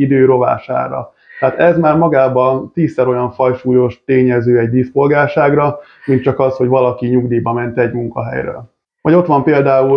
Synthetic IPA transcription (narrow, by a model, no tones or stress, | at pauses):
id̪øːɾo̞va̰ːʃa̰ːɾɒ̰ | t̪ɛaːt̪ɛzmaːrmɒɡaːbɒt̪iːsːɛɾo̞jɒɱfɒjʃuːjo̞ʃt̪eːɲɛzøːɛɟ̚d̪ispo̞lɡaːlʃaːɡrɒ | mint̪̚t͡ʃɒkɒshoɟʋɒlɒkiɲuɡd̪iːbɒmɛnt̪ɛɟmuŋkɒ̰ɦɛ̰jrø̰ːl | mɒɟo̞t̪ʋɒmpeːld̪aːu